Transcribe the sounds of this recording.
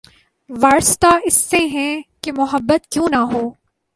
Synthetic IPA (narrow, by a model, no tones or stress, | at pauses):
ʋaːɾst̪aɪsːeɦɛ̃kemʊɦəbːət̪kjũːnɐɦoː